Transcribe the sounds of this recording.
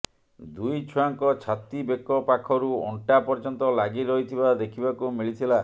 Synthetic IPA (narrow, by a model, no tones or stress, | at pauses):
d̪ujt͡ʃʰuaŋkɔt͡ʃʰat̪ibekːɔpakʰɔɾuɔ̰ɳʈapɔɾd͡ʒɔnt̪ɔlaɡiɾɔɦit̪ʰibad̪ekʰibakumiɭit̪ʰila